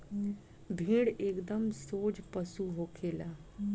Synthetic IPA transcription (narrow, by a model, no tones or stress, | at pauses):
bʱĩːɽeːkd̪əmsoːd͡ʒpəsuɦoːkʰeːlaː